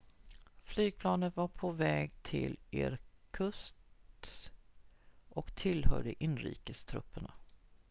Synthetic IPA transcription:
flyːɡ̚pʰlɑːnənvaɾpʰɔvɛːɡt̪ʰɪ̰leːɾkʰɵst̪ | ʔɔkt̪ʰɪlhœ̰ɖəʔɪnːɾḭːkəst̪ʰɾɵ̰pːəɳa

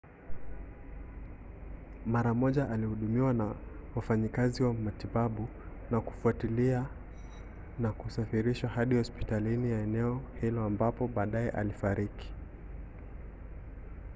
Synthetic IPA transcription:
maɾamɔʄaʔalihuɗumiwanawafaɲikaziwamatiɓaɓu | naku̥fuatilia | nakusafiɾiʃwahaɗihɔspi̥talinijaɛnɛɔhilɔambapɔɓaːɗaɛʔa̰lifaɾiki̥

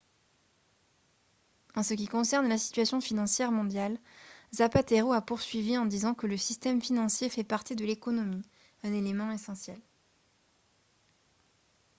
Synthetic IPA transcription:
ɑ̃sək̬ʲikɔ̃sɛʁnlasi̥t̪ɥasjɔ̃finɑ̃sjɛʁmɔ̃d̪jalzapat̪eʁoapuʁsɥiviɑ̃d̪izɑ̃kələsist̪ɛmfinɑ̃sjefɛpaʁt̪id̪əlekɔnɔmi | ɛ̃nelemɑ̃esɑ̃sjɛl

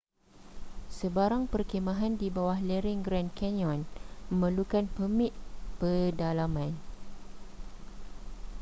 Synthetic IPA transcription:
səbaɾaŋpərkemãɦandibawahlɛɾiŋɡɾankɛnɔ̃nmə̃lukanpəmĩt̪̚pədalamãn

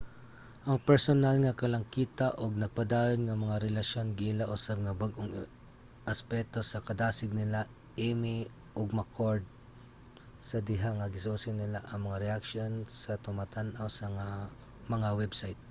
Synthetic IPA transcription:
ʔɐŋpɛɹsonalŋɐkɐlɐŋkiːt̪aʔoɡ̚nɐɡ̚pɐd̪aːjonŋɐmɐŋaɾɛlɐʃjo̞nɡɪɪlaʔʊsab̚ŋɐbaɡʔoŋ | ʔɐspɛk̚t̪o̞sɐkɐd̪aːsɪɡ̚nɪla | ʔiːmɪ | ʔoɡ̚mɐkʰoɹd̪̚ | sɐd̪ɪɦaŋɐɡɪsusɪnɪlaʔɐŋmɐŋaɾɛʔakʃonsɐt̪ʊmat̪anʔawsɐŋa | mɐŋawɛbsajt̪̚

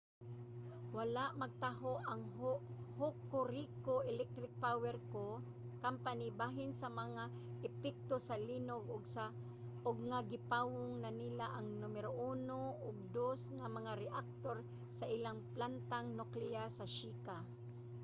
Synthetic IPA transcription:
walaʔmɐɡ̚t̪aɦoʔaŋhokːʊɾikoʔɛlɛk̚t̪ɾɪk̚pawɛɾko | kampanibaːɦɪnsamɐŋa | ʔɛpɛk̚t̪osɐlinoɡʊɡsa | oɡŋaɡɪpawʊŋnanilaʔɐŋnʊmɛɾoʔuːnoʔʊɡ̚d̪osŋamɐŋaɾɛʔak̚t̪oɾ | saʔilaŋplant̪aŋnʊklɪasɐʃiːka

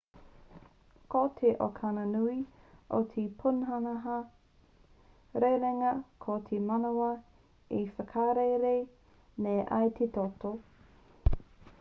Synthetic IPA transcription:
kot̪ʰeʔo̰kʰanɐnuiot̪ʰipʰunɦɐnɐɦɐ | ɾejɾeŋɐkʰotʰemɐnowɐ | ifəkʰaɾejɾe | nejʔa̰jt̪ʰet̪oto

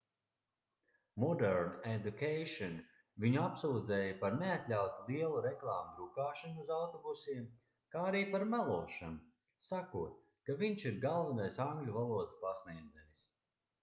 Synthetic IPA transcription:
mɔd̪ɛɾned̪ʲukejʃɔn | viɲuapsuːd̪zɛːjapaɾneat̪ʲlʲawt̪uliɛlˠuɾɛklˠaːmuɾukaːʃanuuzawt̪ɔbusiɛm | kaːaɾiːpaɾmalˠuɔʃanu | sakuɔt̪̚ | kaviɲʃiɾɡalˠvanajsaŋɡlʲuvalˠuɔd̪spasniɛd̪zɛjis

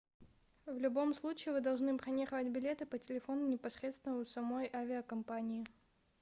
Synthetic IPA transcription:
vlʲʊbo̞mslˠut͡ɕɪːvɨd̪ɐlˠʐnɨpɾɐnʲeχəvətʲbʲɪlʲe̞t̪ɨpətʲɪlʲɪfo̞nʊnʲɪpɐsɾʲet̪st̪vʲɪnʊsɐmo̞jʔavʲɪəkɐmpanʲɪː

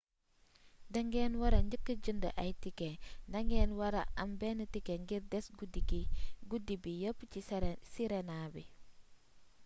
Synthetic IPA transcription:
dɐŋɡenwɐɾaɲəkːəd͡ʒəndə̰ʔajtikendɐŋɡeːnwɐɾa̰ʔambenətikeŋɡiɾdɛsɡudikiɡudibijəpːcisiɾenabi

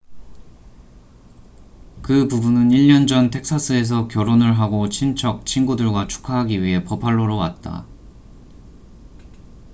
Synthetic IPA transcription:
kɯpubunɯniʎːʌnd͡ʑʌntʰe̞k̚s͈ʰas͈ʰɯe̞s̬ʰʌkjʌɾonɯɭɦaɡot͡ɕʰint͡ɕʰʌk̚t͡ɕʰinɡudɯɭɡwat͡ɕʰu̥kʰaɦaɡiɥiɦe̞pʌpʰaɭːoɾowa̰t̚t͈a̰

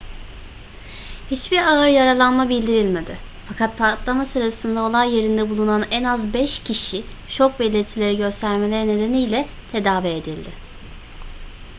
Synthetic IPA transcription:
hit͡ʃbiɾaɯɾjaɾalˠanmabilʲd̪iɾilʲme̞d̪ɪ | fakʰat̪̚pʰaɾt̪lˠamasɯɾasɯnd̪ao̞lˠajːe̞ɾind̪ɛbulˠunanɛnazbɛʃcʰiʃi | ʃo̞k̚belʲiɾt̪ʰilʲe̞ɾiɟø̞st̪ʰæɾme̞lʲeɛne̞d̪e̞nijlʲɛ | t̪ʰe̞d̪aːvied̪ilʲd̪ɪ

